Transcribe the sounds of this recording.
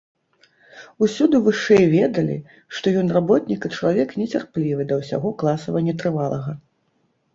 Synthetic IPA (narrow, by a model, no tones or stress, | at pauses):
usʲud̪ɨvɨʂɛjvʲɛd̪ɐlʲḭ | ʂt̪ɔjɔnrabɔt̪̚nʲikɨt͡ʂɐlˠavʲɛknʲɛt͡sʲarplʲivɨd̪ɐwsʲa̰ɣɔklˠasɐvɐnʲɛt̪ɾɨvalˠɐɣɐ